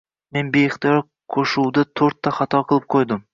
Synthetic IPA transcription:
menbejkt̪jɑɾ | qʰoʃuwd̪ɪt̪ʰoɾt̪ʰːɑχɑt̪ʰɑqʰəlˠɨp̚qʰojd̪ɨm

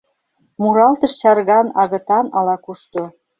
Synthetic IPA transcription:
muɾɑlt̪ɤ̆ʃt͡ɕɑɾɣɑnɑɣɤ̆t̪ɑnɑlɑkuʃt̪o

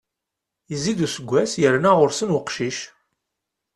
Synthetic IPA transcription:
jəziðusəɡʷːæsjəɾnæʁʊɾsənwəqʃiʃ

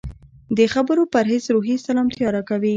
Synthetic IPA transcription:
d̪əxabəɾopəɾɦezɾoɦisalɑmt̪jɑɾakawi

